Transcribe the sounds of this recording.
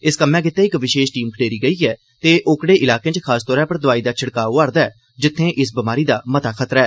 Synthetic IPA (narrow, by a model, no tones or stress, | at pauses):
ɪskəmɛ̃ːkɪt̪ːeːɪkʋɪʃeːʃʈiːmkʰəɽeːɾiːɡəiːɛː | t̪eːʔʊkɽeːʔɪlaːkẽːt͡ʃkʰaːst̪ɔːɾɛ̃ːpəɾd̪ʊaːiːd̪aːt͡ʃʰəɽkaːʊaːɾd̪aːɛː | d͡ʒɪt̪ʰːẽːʔɪsbəmaːɾiːd̪aːmət̪aːkʰət̪ɾɛː